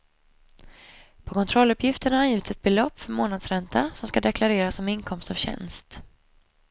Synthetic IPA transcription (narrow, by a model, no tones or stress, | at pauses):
pʰɔkʰɔnt̪ʰɾɔlːɵpʰjɪft̪əɳahaɾjiːvɪt̪sɛt̪̚bɛlɔpːfœɾmoːnad̪sɾɛnt̪ʰasɔmskad̪ɛkʰlaɾeːɾasːɔmɪŋkʰɔmst̪avɕɛ̰nst̪